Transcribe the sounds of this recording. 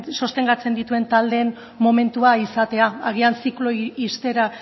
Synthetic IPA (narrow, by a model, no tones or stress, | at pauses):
so̞st̪e̞ŋɡat͡se̞nd̪it̪ue̞nt̪ald̪e̞n | mome̞nt̪uaisat̪e̞aaɣ̞iansikloist̪e̞ɾa